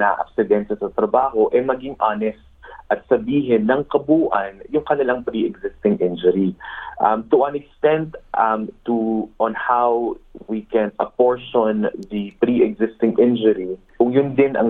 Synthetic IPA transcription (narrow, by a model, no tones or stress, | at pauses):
nɐʔɐ̰psɪd̪ɛnsɐsɐt̪ɾɐbaːɦo̞ʔɛmɐɡɪŋʔaːnɛst̪̚ʔɐt̪̚sɐbiːɦɪnːɐŋkɐbuːʔɐnjʊŋkɐnɪlaŋpɾiʔɛɡzɪst̪ɪŋʔɪnd͡ʒʊɾiʔɐmt̪uʔɐnɛkst̪ɛ̃nd̪ʔɐmt̪uʔɔ̃nhawwikɛ̃nɐpoɹʃɔnðipɾiʔɛɡzɪst̪ɪŋʔɪnd͡ʒʊɾi | kʊŋjʊnd̪ɪnʔɐ̰ŋ